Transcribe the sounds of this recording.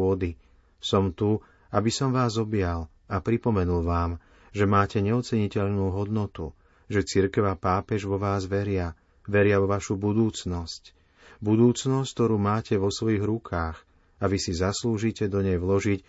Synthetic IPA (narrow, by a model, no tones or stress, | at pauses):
ɔd̪i | sɔmt̪u | abisɔmʋaːzɔbɪjal | apɾipɔmɛnulʋaːm | ʒɛmaːcɛɲɛɔt͡sɛɲicɛʎnuːɦɔd̪nɔt̪ṵ | ʒɛt͡siɾkɛʊapaːpɛʒʋɔʋaːzʋɛɾɪa | ʋɛɾɪaʋɔʋaʃubud̪uːt͡snɔsc | bud̪uːt͡snɔsct̪ɔɾuːmaːcʰɛʋɔsʋɔjiːɣɾukʰaːx | aʋisizasluːʒicɛd̪ɔɲɛjʋlɔʒic